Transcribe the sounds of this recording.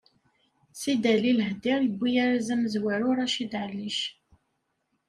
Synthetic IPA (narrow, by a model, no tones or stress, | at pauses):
sid̪ælilhd̪ɪɾjəbːijaɾæzæməzwæɾʊɾæʃid̪ʕəlːiʃ